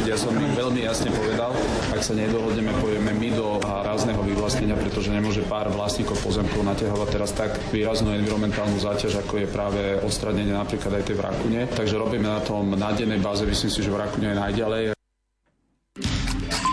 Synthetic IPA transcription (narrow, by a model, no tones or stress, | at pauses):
ɪjasɔmʋɛʎmijasɲɛpɔʋɛd̪al | aksaɲɛd̪ɔɦɔd̪ɲɛmɛpɔjɛmɛmid̪ɔ | aːɾaznɛɦɔʋiʋlasɲɛɲɪapɾɛt̪ɔʒɛɲɛmʊɔʒɛpaːɾʋlasɲiːkɔʊpɔzɛmkɔʊnacaɦɔʋac̚t̪ɛɾast̪aɡ | ʋiːɾaznuɛnʋiɾɔmɛnt̪aːlnuzaːcaʒakɔjɛpɾaːʋɛɔt̪st̪ɾaɲɛɲɪɛnapɾiːklad̪ajt̪ɛjʋɾa̰kuɲɛt̪aɡʒɛɾɔbiːmɛnat̪ɔmnaɟɛjnɛjbaːzɛmislimsiʒɛʋɾakuɲɛjɛnajɟalɛj